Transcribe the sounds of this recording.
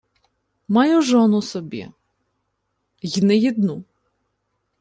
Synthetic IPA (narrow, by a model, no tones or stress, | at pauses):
mɑjʊʒɔnʊsɔbʲḭ | jnɪjid̪nu